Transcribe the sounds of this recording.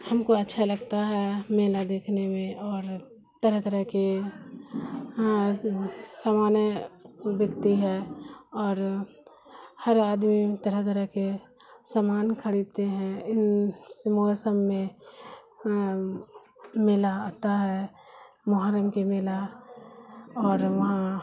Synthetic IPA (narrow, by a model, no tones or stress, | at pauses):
həmkoɐtːʃʰaləɡt̪aɦɛmeːlad̪eːkʰnemẽɔːɾ | t̪əɾəɦt̪əɾəɦke | saːmaːnəbjəkt̪iɦɛɔːɾ | həɾaːd̪mit̪əɾəɦt̪əɾəɦke | samaːnkʰəɽiːt̪eɦɛ̃ɪnsmɔːsəmːẽ | mɪlat̪aɦɛ | moɦəɾəmkemeːla | ɔːɾʋɐɦã